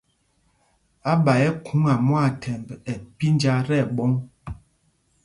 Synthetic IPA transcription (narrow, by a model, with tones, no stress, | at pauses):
a˦ɓa˨jɛ˦kʰu˨˦ŋa˨mwa˦˨tʰɛ˨mbɛ˨pi˦nd͡ʒa˦ɾɛ˦˨ɓɔ˦ŋ